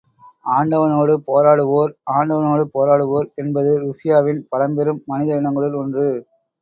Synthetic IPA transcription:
aːɳɖɐʋɐnoːɽɯpoːɾaːɽɯʋoːɾaːɳɖɐʋɐnoːɽɯpoːɾaːɽɯʋoːɾɛnbɐðɯɾʊʂɪjaːʋɪnpɐlɐmbɛɾɯmːɐnɪðɐɪɳɐŋɡɐɭɪlɔndrɯ

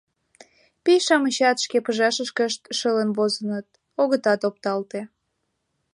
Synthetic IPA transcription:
pijʃɑməɕɑt̪ʃkepəʒɑʃəʃkəʃt̪ʃələnβozənət̪̚ | oɣət̪ɑt̪op̚t̪ɑlt̪e

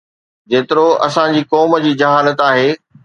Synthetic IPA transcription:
d͡ʑeːt̪ɪɾoɐ̰sãd͡ʑiːkɔːməd͡ʑiːd͡ʑɐɦaːlət̪aːɦeː

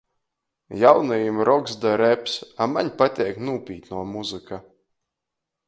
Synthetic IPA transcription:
jawnajimɾɔkzd̪aɾɛpsamaɲpat̪ʲiɛknuːpʲiːt̪ʲnuɔmuzɨka

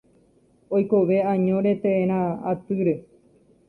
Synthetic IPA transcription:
ojkoʋe̞ãɲõɾet̪eẽɾ̃ãat̪ɨɾe

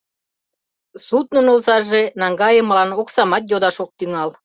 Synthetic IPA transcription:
sut̪̚nŏnolsɑʒenɑŋɡɑjəmlɑnoksɑmɑt̪jod̪ɑʃok̚t̪yŋɑl

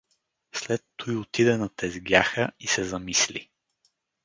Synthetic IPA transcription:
slɛt̪ːujʊt̪id̪ɛnɐt̪ɛzɡʲjaxəisɛzɐmislḭ

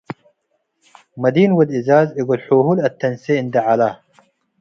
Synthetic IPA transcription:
mɐd̪iːnwɐd̪izaːziɡulħuɦulɐt̪ːɐnseind̪ɐʕala

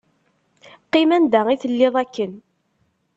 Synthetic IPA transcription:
qːɪmænd̪æiθəlːɪðˤækːən

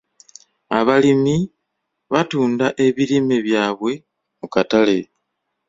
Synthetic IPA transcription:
aβalimi | βatuːndaʔe̞βilime̞βjaːβwe̞ | mukatale̞

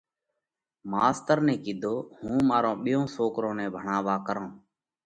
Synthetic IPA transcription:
maːst̪əɾnɛ̃ːkiːd̪ʱoːhũːmaːɾõːɓɪjõːsoːkɾõːnɛ̃ːbʱəɳaːʋaːkəɾõː

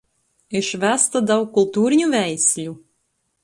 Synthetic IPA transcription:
eʃvæst̪ad̪awkulˠt̪uːɾʲiɲuvʲæjsʲlʲu

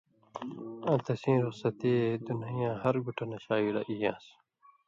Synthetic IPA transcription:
ãt̪ʰɐsĩːɾuqsɐt̪eːd̪unijãːhɐɾɡuʈʰɐnɐɕaːiɽɐ̰ʔijãːs

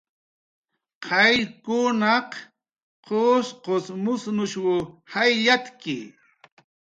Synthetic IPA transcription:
qʰɑjkʊnɑq | qʰosqosmʊsnʊʃwʊhajjat̪kɪ̰

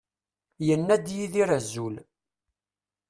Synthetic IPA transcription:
jənːæd̪jiðiɾæzːul

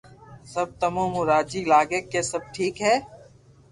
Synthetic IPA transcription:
sɐb̚t̪ɐmõːmʊɾaːd͡ʒiːlaːɡeːkːesɐb̚ʈʰiːkɦɛː

